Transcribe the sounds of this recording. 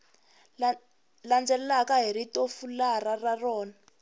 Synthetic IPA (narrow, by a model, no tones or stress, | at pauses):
land͡zɛlɛlakaɦiɾitofularararɔːna